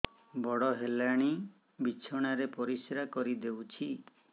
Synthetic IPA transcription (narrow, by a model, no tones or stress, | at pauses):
bɔɽɔɦelaɽ̃i | bit͡ʃʰɔɽ̃aɾepɔɾiseɾakɔɾid̪ewt͡ʃʰi